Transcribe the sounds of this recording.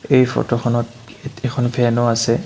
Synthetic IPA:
ejfʰɔ̰tɔxʰɔnɔt | etɛkʰɔnpʰɛnɔasɛ

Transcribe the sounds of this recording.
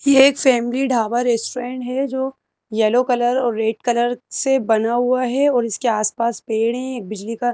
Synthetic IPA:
jeːkfɛːmɪliɖʱaːʋaɾeːsʈoɾẽːɳʈɦɛd͡ʒoː | jɛːlokɐləɾɔːɾːeːʈkɐləɾsebɐnaɦuaɦɛɔːɾɪskeaːspaːspeːɽɦɛ̃eːk̚bɪd͡ʒlika

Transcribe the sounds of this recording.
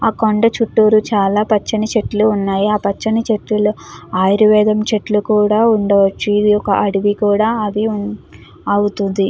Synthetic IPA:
aːkoɳɖɐt͡ʃuʈːuːɾut͡ʃaːlaːpɐt͡ʃːɐnit͡ʃe̞ʈluːnːaːjiaːpɐt͡ʃːɐnit͡ʃe̞ʈːuluaːjɾiʋɛːd̪ʱɐmt͡ʃe̞ʈlukuːɽaːuɳɖɐʋɐt͡ʃːiːd̪ijɔkɐʔɐɽiʋikuːɽaːɐd̪i | ɐwut̪und̪i

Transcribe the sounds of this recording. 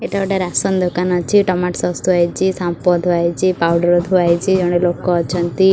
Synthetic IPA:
eʈaʋəʈaɾasɔnd̪ʱɔkanɔt͡ʃʰiʈɔmaʈsɔ̃st̪uɦajt͡ʃʰisãmpɔd̪ʱoajt͡ʃʰipawɖəɾɔd̪ʱuʋajt͡ʃʰid͡ʒɔɽ̃elokoɔt͡ʃʰənt̪i

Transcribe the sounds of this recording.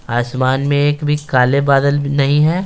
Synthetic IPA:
aːsmaːnmẽeːkbʱikaːlebaːd̪əlnɐɦĩɦɛː

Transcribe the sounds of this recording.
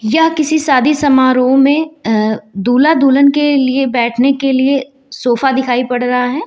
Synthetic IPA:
jakɪsisaːd̪ʱisɐmaːɾõmẽ | d̪uːlad̪uːlənkeliebɛːʈʰnekelie | soːfad̪ɪkʰaːipɐɽɾɐɦaɦɛː

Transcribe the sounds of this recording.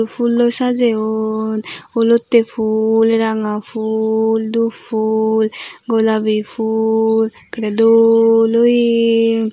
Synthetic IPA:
pʰulːosad͡ʒeonolot̪ːepʰulɾaŋapʰuld̪upʰulɡolabipʰul | kaɾed̪oloj

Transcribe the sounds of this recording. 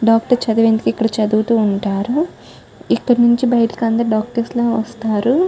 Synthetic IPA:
ɖaːkʈɐɾt͡ʃɐd̪uʋeːnd̪ukikːɐɽɐt͡ʃɐd̪uːt̪uːɳʈaːɾu | ikːɐɽnuɲt͡ʃibɐjʈi̥kɐnd̪ɐɾɖaːk̚ʈɐɾsloːʋɐst̪aːɾu

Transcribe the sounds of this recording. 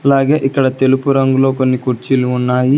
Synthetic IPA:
ɐlaːɡeːʔikːɐɽɐt̪e̞lupuɾɐŋɡulo̞ːko̞nːikuɾt͡ʃiluunːaːji

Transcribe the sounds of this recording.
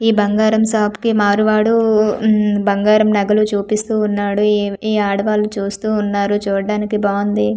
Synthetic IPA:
iːbɐŋɡaːɾɐmsaːpkimaːɾuʋaːɽu | bɐŋɡaːɾɐmnɐɡɐlut͡ʃuːpist̪uːnːaːɽuiːaːɽɐʋaːlut͡ʃuːst̪uːnːaːɾut͡ʃuːɾɐɽaːnikibaːnd̪i

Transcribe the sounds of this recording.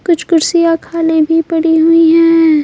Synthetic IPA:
kʊt͡ʃʰkʊɾsijakʰaːlẽbʱipɐɽiɦʊiɦɛ̃ː

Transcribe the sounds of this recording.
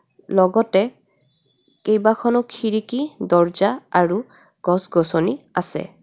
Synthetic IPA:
lɔɡɔtɛ | kejbakʰɔnɔkʰiɹikidɔɹzaaɹu | ɡ̥ɔsɡɔsɔniasɛ̰

